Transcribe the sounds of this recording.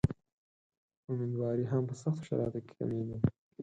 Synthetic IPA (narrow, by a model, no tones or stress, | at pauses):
ʊminwɑːɾiɦampəsaxt̪o̥ʃa̰ɾɑ̰t̪oke̥ka̰med̪i